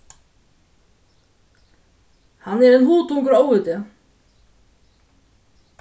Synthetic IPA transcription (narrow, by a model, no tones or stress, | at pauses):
hanːɛɾɛnɦuːt̪uŋkʏɾoːwvʏt̪ɪ